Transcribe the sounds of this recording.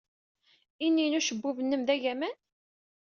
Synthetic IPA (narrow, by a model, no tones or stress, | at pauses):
inːinuʃəbːuvənːəmðæʝæmæn